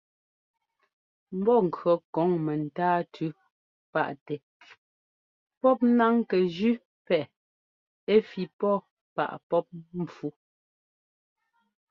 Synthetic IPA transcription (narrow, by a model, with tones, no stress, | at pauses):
m̩˦bɔ˦˨ŋ̩˨kɰɔ˨kɔ˨˦ŋmɛ˨n̩˨taː˦tʰʉ˦ | pa̰˦ʔtɛ˨ | pɔ˦p̚na˦ŋkɛ˨d͡ʒʉ˦ | pɛ˨ʔ | e˦fi˨pɔ˦˨ | pa̰˨ʔpɔ˦p̚m̩˨fu˦